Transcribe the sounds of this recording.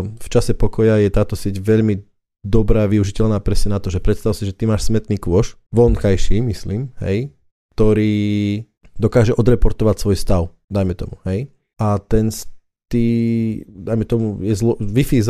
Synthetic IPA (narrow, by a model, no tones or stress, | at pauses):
ft͡ʃasɛpɔkɔjajɛt̪aːt̪ɔsɪɛɟʋɛʎmi | d̪ɔbɾaːʋiuʒicɛʎnaːpɾɛsɲɛnat̪ɔʒɛpɾɛt̪st̪aʊsiʒɛt̪imaːʃsmɛt̪niːkʋʊɔʃ | ʋɔnkajʃiːmisliːmhɛ̰j | kt̪ɔɾiː | d̪ɔkaːʒɛʔɔd̪ɾɛpɔɾt̪ɔʋacsʋɔjst̪aʊ | d̪ajmɛt̪ɔ̰muhɛj | ʔat̪ɛns | t̪iːd̪ajmɛt̪ɔmujɛzlɔʋifiz